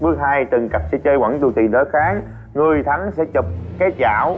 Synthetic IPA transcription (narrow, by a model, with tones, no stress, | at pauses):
ɓɨ˦˥ək̚haː˧jt̪ɨ˨˩ŋka˨˩p̚sɛ̰˧˥t͡ɕəː˧jwa̰˧˩ŋt̪u˨˩t̪i˨˩nɗə˧˨˦xaː˨˦ŋ | ŋɨ˨˩əjt̪ʰa˨˦ŋsɛ̰˧˥t͡ɕə˨˩p̚kaː˨˦jt͡ɕaː˧˩w